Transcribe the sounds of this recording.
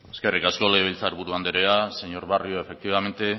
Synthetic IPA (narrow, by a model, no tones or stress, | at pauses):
eske̞rikasko̞leβ̞ilt͡saɾβuɾuand̪eɾease̞ɲo̞ɾβarioe̞fe̞k̚t̪iβ̞ame̞nt̪e̞